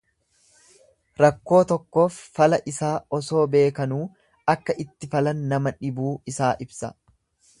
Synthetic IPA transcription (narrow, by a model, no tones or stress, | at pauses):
ɾɐkːo̞ːt̪ɔkːo̞ːfːɐlɐʔɪsaːɔso̞ːbe̞ːkɐnuː | ɐkːɐʔɪt̪ːɪfɐlɐnːɐmɐᶑɪbuːɪsaːʔɪbsɐ̰